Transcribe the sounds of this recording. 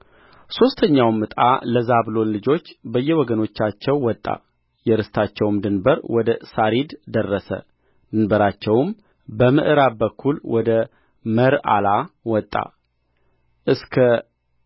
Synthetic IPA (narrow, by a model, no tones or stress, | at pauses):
so̞st̪ʰəɲːawmːɨt̪ʼa̰ləzablo̞nlɨd͡ʒo̞t͡ʃːbəjːɛwɔɡəno̞t͡ʃːat͡ʃːɛwːɔt̪ʼːa̰ | jɛɾɨst̪ʰat͡ʃːɛwmd̪ɨnbəɾwɔd̪əsaɾid̪d̪ərːəsə̰ | d̪ɨnbəɾat͡ʃːɛwm | bəmɨʔɨɾabəkʰːulwɔd̪ə | məɾa̰lawɔt̪ʼːa̰ | ʔɨskʰə